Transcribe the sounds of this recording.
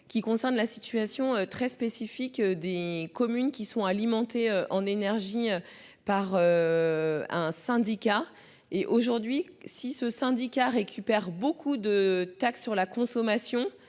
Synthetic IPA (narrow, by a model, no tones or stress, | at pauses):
kʲikɔ̃sɛʁnlasit̪ɥasjɔ̃øt̪χɛspesifikd̪ekɔmynkʲisɔ̃alimɑ̃t̪eøʔɑ̃nenɛʁʒiø | paʁø | ɛ̃sɛ̃d̪ikʲa | eʔoʒuʁd̪ɥisisəsɛ̃d̪ikaʁekʲʰypɛʁbokʰud̪ət̪aksːyʁlakɔ̃sɔmasjɔ̃